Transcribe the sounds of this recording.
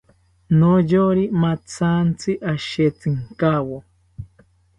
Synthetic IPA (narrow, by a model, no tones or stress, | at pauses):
nojoɾimat͡sʰant͡sɨʔaʃet͡sɨŋkawo